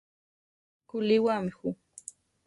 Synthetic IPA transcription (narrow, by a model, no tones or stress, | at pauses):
kʊlɪwamɪxʊ